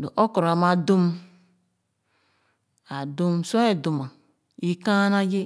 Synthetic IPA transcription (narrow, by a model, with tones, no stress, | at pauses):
do̰˨ʔo˦ko˨ɾa˨ma˨du˦m | a˨du˦mso˦e˨du˨ma˨ | i˦ka˦na˦d͡ʒe˦